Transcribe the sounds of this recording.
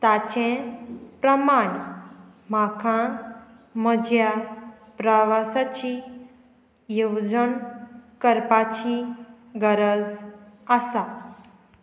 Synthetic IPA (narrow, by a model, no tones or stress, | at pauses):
t̪at͡ɕẽpɾəmaɳ | m̤akʰã | məd͡ʑja | pɾəʋasat͡ɕi | jewd͡zəɳkəɾpat͡ɕi | ɡəɾəd͡zasa